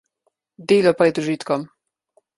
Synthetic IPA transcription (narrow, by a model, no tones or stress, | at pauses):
d̪eːlɔpɾɛd̪uʒiːt̪kɔm